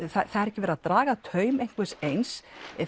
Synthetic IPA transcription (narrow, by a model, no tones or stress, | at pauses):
θaθaðɛɾɛhcɪvɛːɾaðt̪ɾaːɣat̪ʰœːɥmejŋ̥kvɪsejns